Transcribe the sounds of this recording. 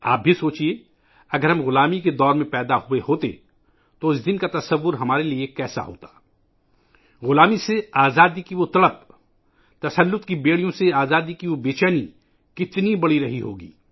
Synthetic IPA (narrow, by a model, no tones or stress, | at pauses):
a̰ːp̚bʱisoːt͡ʃie | ɐɡəɾɦɐ̃mɣʊlaːmiked̪ɔːɾmẽpɛːd̪ahuehoːt̪ḛ | t̪oʊsd̪ɪnkat̪ɐsəʋːʊɾɦɐmaːɾeliekɛːsa̰ɦo̰ːt̪ḁː | ɣʊlaːmiseaːzaːd̪ikiʋot̪ɐɽəp̚ | t̪ɐsəlːʊt̪kibeːɽ̤ijõseaːzaːd̪ikiʋobeːt͡ʃaːni | kɪt̪nibɐɽiɾɐɦiɦo̰ːɡḭː